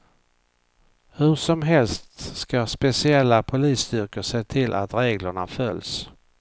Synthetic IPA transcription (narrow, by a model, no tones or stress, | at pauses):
hɵʂɔmɦɛlst̪skaspɛsɪɛlːapʰʊliːst̪ʏɾkəʂeːt̪ʰɪlʔa̰t̪ɾeːɡləɳafœls